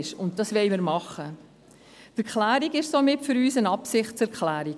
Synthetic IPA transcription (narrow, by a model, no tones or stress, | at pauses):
ʃʊntdɑsʋɛɪməɾmɑχə | tɛɾklæːɾiɡɪʃsomɪtfʏɾyːsənɑpsɪχt̚t͡sɛɾklæːɾiɡ